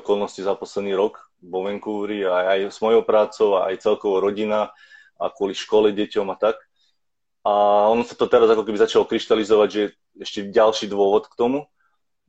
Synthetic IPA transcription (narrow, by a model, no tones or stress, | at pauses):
kɔlˠnɔscizapɔslɛd̪niːɾɔk | ʋɔʋɛŋkuːɾiaajz̥mɔjɔʊpɾaːt͡sɔʊaa̰jt͡sɛlkɔʋɔɾɔɟina | a̰kʊɔliʃkɔlɛɟɛcɔmat̪ak̚ | aɔnɔsḁt̪ɔt̪ɛɾazakɔkɛbizat͡ʃalɔkɾiʃt̪alizɔʋaɟʒɛɛ | ɛʃcɛɟalʃiːd̪ʋʊɔʋɔt̪kt̪ɔmu